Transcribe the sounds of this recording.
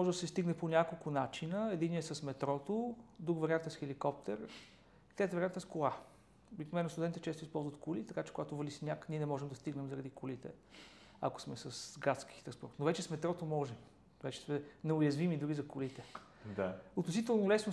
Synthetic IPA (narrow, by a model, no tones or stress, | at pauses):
ɔʒɛd̪ɐsɛst̪iɡnɛponʲakolˠkʊnat͡ʃinəɛd̪iniɛsɐsmɛt̪ɾɔt̪od̪ɾukvɐɾʲiant̪ɛsxɛlikɔp̚t̪ɛɾ | t̪ɾɛt̪vɐɾiant̪ɛskʊlˠa | obiknovɛnɐst̪d̪ɛnt̪it͡ʃɛst̪ʊispɔlˠzvət̪kulit̪ɐkat͡ʃɛ̥koɡat̪ʊvɐlisnʲakniɛnɛmɔʒɛmd̪ɐst̪iɡnɛmzəɾɐd̪ikʰʊlit̪ɛ̰ | ako̥smɛsɐsɡat̪ski̥t̪ɾɐspɔɾt̪novɛt͡ʃɛsmɛt̪ɾɔt̪omɔʒɛm | vɛt͡ʃɛ̥smɛnɛʊjɐzvimid̪uɾizɐkʊlit̪ɛ | d̪aʊt̪nosit̪ɛlˠnolɛsno